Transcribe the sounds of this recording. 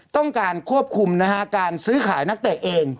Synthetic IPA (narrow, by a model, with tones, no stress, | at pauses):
t̪ɔ˥˩ŋkaː˧nkʰu˥˩əp̚kʰu˧mna˦˥kʰa˦˥kaː˧nsɯː˦˥kʰaː˩˦jna˦˥k̚t̪ɛː˨˩ʔʔeː˧ŋ